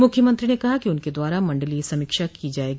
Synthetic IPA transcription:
mʊkʰːjəmɐ̃nt̪ɾinekɐɦakiʊnked̪waːɾamɐ̃ɳɖəlisɐmɪːkʃakid͡ʒaːeːɡi

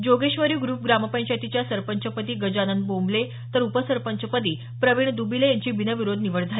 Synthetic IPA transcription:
d͡ʑoɡeɕʋəɾiːɡɾuːp̚ɡɾaməpə̃ɲt͡ɕat̪it͡ɕjasəɾpəɲt͡ɕəpət̪iːɡəd͡ʑanənd̪̚bomble | t̪əɾupəsəɾpəɲt͡ɕəpət̪̬iː | pɾəʋiɳd̪ubilejaɲt͡ɕiːbinəʋiɾod̪ʱniʋəɽd͡zʱal

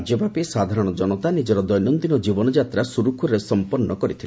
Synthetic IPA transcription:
d͡ʒjɔbapisad̪ʱaɾɔɽ̃ɔd͡ʒɔnɔt̪anid͡ʒɔɾɔd̪ɔjnɔnd̪inɔd͡ʒibɔnɔd͡ʒat̪ɾasuɾukʰuɾesɔmpɔnːɔkɔɾit̪ʰil

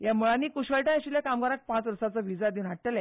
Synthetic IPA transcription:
jamuɭanːiːkuɕkəɭʈajaɕiljakamɡaɾak̚pãt͡sʋəɾsat͡sɔʋid͡zad̪iunɦaʈʈəlɛ̃

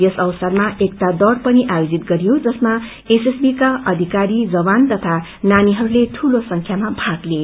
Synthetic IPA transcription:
jʌsʌwsʌrmaʔekt̪ad̪ʌɽpʌniʔajod͡zit̪ɡʌɾijod͡zʌsma | esesbikaʔʌd̪ʱikaɾid͡zʌbant̪ʌt̪ʰananiɦʌɾuleʈʰulosʌŋkʰjamabʱaɡle

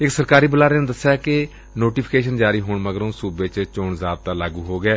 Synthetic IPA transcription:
ɪksəɾkaːɾiːbəlaːɾeːneːd̪əsːjaːkɪ | noːʈiːpʰkeːʃənd͡ʒaːɾiːɦoːɳməɡəɾõːsuːbeːt͡ʃt͡ʃoːɳzaːb̪̚t̪aːlaːɡuːɦoːɡɛː

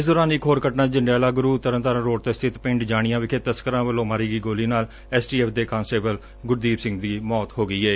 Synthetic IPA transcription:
ɪsd̪ɔːɾaːniːkʰoːɾkəʈnãːd͡ʒəɳɖjaːlaːɡʊɾuːt̪ːəɾə̃nt̪aɾə̃nɾoːʈ̚t̪est̪ʰɪt̪pɪ̃ɳɖd͡ʒaːɽ̃ɪjãːʋɪkʰeːt̪əskəɾãːʋəlːõːmaːɾiːɡiːɡoːliːnaːl | ɛːsʈiːɛːpd̪eːkãːnsʈeːbəl | ɡʊɾd̪iːbsɪ̃ŋɡd̪iːmɔːt̪hoːɡəiːɛː

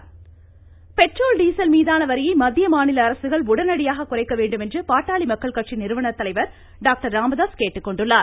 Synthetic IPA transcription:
pɛʈrɾoːlɖiːsɐlmiːðaːnɐʋɐɾɪjɐɪmɐðɪjɐmaːnɪlɐːɾɐsɯɣɐɭʊɽɐnɐɽɪjaːɣɐkːʊrɐɪkːɐʋeːɳɖɯmɛndrɯpaːʈːaːɭimɐkːɐɭkɐʈt͡ʃinɪɾɯʋɐɳɐt̪ːɐlɐɪʋɐɾ | ɖaːk̚ʈɐɾːaːmɐðaːskeːʈːɯkːɔɳɖɯɭːaːɾ

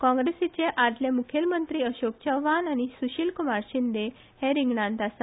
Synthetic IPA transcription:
kɔ̃ŋɡɾesit͡ɕeʔad̪ljemukʰelmənt̪ɾiəɕok̚t͡ɕaʋʋanañisuɕilkumaɾɕind̪e | hẽɾiŋɡɳãnt̪asa

